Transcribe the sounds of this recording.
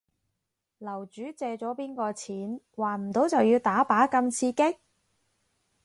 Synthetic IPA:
lɐ˨˩wt͡ʃyː˨˥t͡sɛː˧t͡ʃɔː˨˥piː˥nkɔː˧t͡sʰiː˨˥n | waː˨˩m̩˨˩t̪o˨˥wt͡sɐ˨wjiː˧wt̪aː˨˥paː˨˥kɐ˧mt͡sʰiː˧kɪ˥k̚

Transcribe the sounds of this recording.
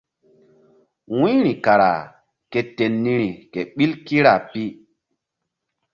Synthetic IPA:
wũ˦ɾi˨ka˨ɾa̰˨ | ke˨te˨nːi˦ɾi˨ke˨ɓi˦lki˦ɾa˨pi˦

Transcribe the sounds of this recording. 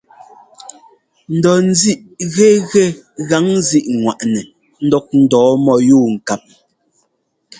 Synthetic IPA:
n̩˨dɔ˨n̩˦zi˦ʔɣe˦ɣɛ˦ɣa˨˦ŋzi˦ʔŋwa̰˨ʔnɛ˨ | n̩˦dɔ˦k̚n̩˦dɔː˨˦mɔ˨juː˦˨ŋ̩˨ka˨p̚

